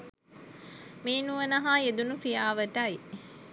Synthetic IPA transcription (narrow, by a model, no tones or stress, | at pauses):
meːnuʋənɐɦaed̪unukɾijaːʋəʈaj